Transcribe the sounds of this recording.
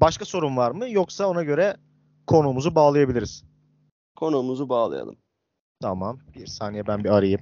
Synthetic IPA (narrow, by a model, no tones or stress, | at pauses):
baʃkaso̞ɾumvaɾmɯjoksao̞naɟø̞ɾɛ | kʰo̞numuzubaːlˠajabilʲiɾiz̥ | kʰo̞numuzubaːlˠɯ̰ja̰lˠɯ̰m | t̪ʰamambiɾsaːnijɛbænbiaɾɯjɯm